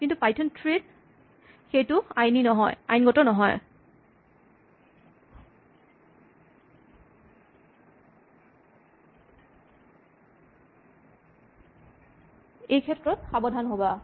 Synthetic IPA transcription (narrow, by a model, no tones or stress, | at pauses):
kintupajtʰɔntʰɹed̚ | xejtʊajninɔɦɔ̰ja̰jnɡɔtɔnɔɦɔj | ejkʰɛtɹɔt̚xabɔdʱanɦoba